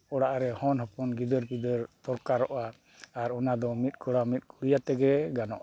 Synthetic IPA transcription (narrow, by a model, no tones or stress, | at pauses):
ɔɽaʔaɾɛhɔnhɔpɔnɡid̪əɾpid̪əɾt̪ɔɾkaɾɔʔaː | ɾɔnad̪ɔmit̪̚ˀkɔɽamit̪̚kuɾijat̪ɛɡɛɡanɔ̰ʔa